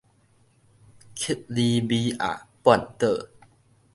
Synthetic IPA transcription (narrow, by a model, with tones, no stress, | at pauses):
kʰi˦˥t̪̚liː˧biː˧ʔa̰˨˧˩pɔ˨˩˨nt̪əː˨˩